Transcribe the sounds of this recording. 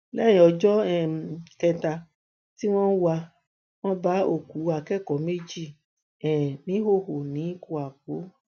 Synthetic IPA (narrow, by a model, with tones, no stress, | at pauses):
lɛ˦jɔ˨d͡ʒɔ˦ɛ˦˨kɛ˧ta˧ | ti˦w̃ɔ̃˦wu˦a˧ | w̃ɔ̃˦ba˦o˨ku˨˦a˨kɛ˦kɔ˨˦me˦d͡ʒi˦˨ | ɛ˨nĩ˦ɦo˦˨ho˨nĩ˨˦ku˧a˨ko˨˦